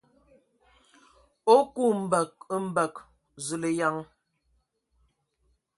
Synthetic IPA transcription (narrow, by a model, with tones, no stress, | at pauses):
o˦ku˦˨m̩˨bə˨k̚m̩˦bə˨k | zʉ˨le˨ja˦ŋ